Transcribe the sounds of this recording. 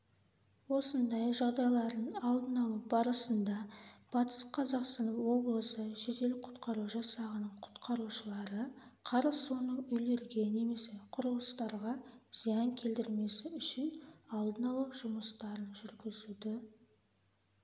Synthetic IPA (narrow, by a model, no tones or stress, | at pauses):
wo̞sənd̪ɑjʒɑʁd̪ɑjlˠɑɾd̪əɴɑlˠd̪ənɑlˠɑbɑɾəsənd̪ɑb̥ɑt̪ə̥sqʰɑzɑqst̪ɑnəfwo̞blˠəsəʒed̪e̞lɪk̚qʰʊ̥t̪qɑɾuʒɑsɑʁənəɴqʰʊ̥t̪qʰɑɾuʃəlˠɑɾəqʰɑɾəsso̞nəɴʏjle̞ɾɡʲe̞ne̞me̞se̞qʰʊɾəlˠəst̪ɑɾʁɑz̥ijɑŋkʲʰe̞ld̪ɪɾme̞sɪʏʃɪnɑlˠd̪ənɑlˠɑʒʊməst̪ɑɾənʒʏɾɡʲɪzud̪ɪ